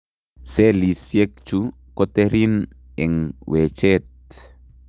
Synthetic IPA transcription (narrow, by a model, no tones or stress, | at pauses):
selisjek̚t͡ʃu | koteɾin | ɪŋwet͡ʃet̚